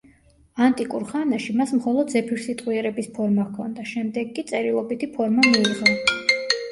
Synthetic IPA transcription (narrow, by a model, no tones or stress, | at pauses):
ant̪ʼikʼuɾχanaʃimasmχɔlˠɔd̪zɛpʰiɾsit̪ʼqʼwiɛɾɛbispʰɔɾmakʰɔ̰nd̪aʃɛmd̪ɛɡkːit̪sʼɛɾilˠɔbit̪ʰipʰɔɾmamiiʁɔ